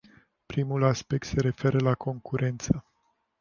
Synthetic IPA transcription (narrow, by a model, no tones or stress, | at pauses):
pɾimulaspe̞k̚t̪se̞ɾe̞fe̞ɾəlakʰo̞ŋkuɾe̞nt̪sə